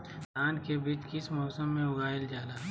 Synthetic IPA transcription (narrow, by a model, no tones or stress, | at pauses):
t̪aːnkebiːt͡ʃkɪsmɔːsəmːẽʊɡaːɪld͡ʒaːlaː